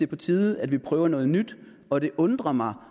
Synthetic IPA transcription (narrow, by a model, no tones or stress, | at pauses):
e̝pʰɒ̽t͡sʰiːð̩ˠæd̥ʋipʰʁœːʊɐnɔ̽ːð̞̩ˠnyd̥ | ɒ̽d̥e̝ʔɔ̽nd̥ʁɐmɑ̈ɪ